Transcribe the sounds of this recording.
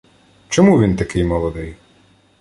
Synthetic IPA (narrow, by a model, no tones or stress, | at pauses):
t͡ʃɔmuʋʲint̪ɐkɪjmɔlˠɔd̪ɪj